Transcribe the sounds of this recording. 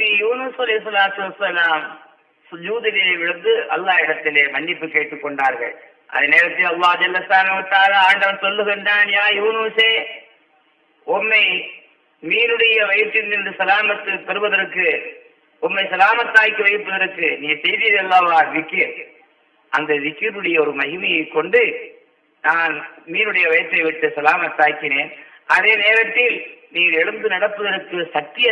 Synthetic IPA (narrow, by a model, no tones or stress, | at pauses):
piːjuːnuːsɐlɐhɪs̬ːɐlaːt̪ɯʋɐsːɐlaːm | sʊd͡ʒuːðɪlɐɐʋɪɻɐnd̪ɯʔɐ̰lːaːɪɽɐt̪ːɪleːmɐɳːɪpːɯkːeːʈːɯkːɔɳɖaːɾɣɐ̰ɭ | ʔɐ̰ðɐneːɾɐt̪ːɪlɐlːaːd͡ʒɐlːɐst̪aːnɐʋɯt̪ːaːlaːaːɳɖɐʋɐnsɔlːɯɣɛɳɖaːnjaːjuːnuːseː | ɔmːɐɪ | miːɾɯɽɐjɐʋɐɪt̪ːɪnːɪndɯsɐlaːmɐt̪ːɯpɛɾɯʋɐðɐɾkːɯ | ɔmːɐɪsɐlaːmɐt̪ːaːjkːiʋɐɪpːɐðɐɾɯkːɯniːŋɡɐsɛjðɪjɐðɛlːaːʋaːʋɪkːɪɾ | ʔɐnd̪ɐʋɪkːɪɾɯɽɐjɐɔɾɯmɐɣɪmɐjɐɪkːɔɳɖɯ | naːnmiːnɯɽɐjɐʋɐjt̪ːɐɪʋɪʈːɯsɐlaːmɐt̪ːaːjkːɪneːn | ʔɐðeːneːɾɐt̪ːɪlniːɐlɛɻɯnd̪ɯnɐɽɐpːɐðɐɾɯkːɯsɐk̚t̪ɪjɐ